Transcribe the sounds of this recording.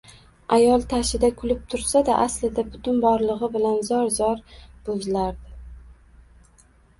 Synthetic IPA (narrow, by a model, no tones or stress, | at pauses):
ajɒlˠt̪ʰaʃɪd̪akʰʊlɪp̚t̪ʰʊɾsad̪aʔaslɪd̪abʊt̪ʊnbɒɾlˠɨʁɨbɪlanzɒɾzɒɾb̥ozɪlaɾd̪ɪ